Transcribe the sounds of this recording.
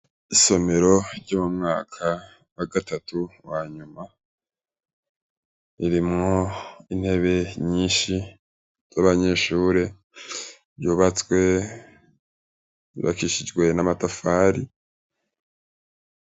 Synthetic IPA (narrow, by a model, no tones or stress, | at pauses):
iso̞me̞ɾo̞ɾɟoːmumŋaːkʰa | waɡatʰatuwaːɲuma | iɾimŋo̞in̥he̞βe̞ɲiːʃi | z̥aβaɲe̞ːʃuːɾe̞ | ɾjuːβat͡swe̞ | iβa̰kiʃid͡ʒwe̞namatafaːɾi